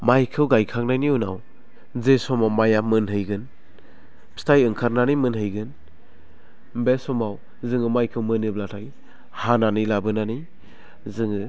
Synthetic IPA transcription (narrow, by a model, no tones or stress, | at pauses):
majkʰɯwɡajkʰak̚najniunaw | zesɔmawmajamɯnɦɯjɡɯn̥ | stʰajɯŋkʰaɾnanimɯnɦɯjɡɯn | besɔmaw | zɯŋɯmajkʰɯwmɯnɯblatʰaj | hananilabɯnani | zɯŋɯ